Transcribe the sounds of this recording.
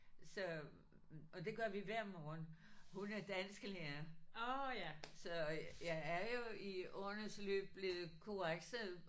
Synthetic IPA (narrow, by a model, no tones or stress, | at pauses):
sɒ̽ | ʔɒ̽d̥e̝ɡ̥ɶɐ̰ʋiʋæɐ̰mɒːnhunæɐd̥æn̰sɡ̥əleɐ | sɒ̽jɑ̈ɪæɐjo̝iɔnəslø̰ːb̥̚b̥le̝ːð̩ˠkʰoʁaɡ̥sə